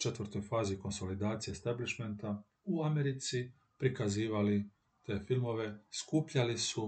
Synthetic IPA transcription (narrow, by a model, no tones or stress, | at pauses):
t͡ʃe̞t̪ʋərɾt̪o̞jfaːziko̞nso̞lid̪aːt̪sijest̪abliʃment̪a | uameɾit̪si | pɾikaziːʋali | t̪e̞ːfilˠmo̞ʋe̞skuːpʎalisu